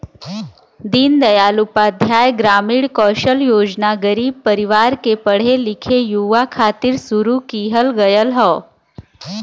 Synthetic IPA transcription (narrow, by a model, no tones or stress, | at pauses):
d̪ind̪əjalupad̪ʱjaːjɡɾaːmiːɽkɔʃəljoːd͡ʒnaɡəɾiːb̚pəɾiʋaɾkepəɽ̤elikʰejuʋakʰat̪iːɾsuɾukiːɦəlɡəjəlɦɔː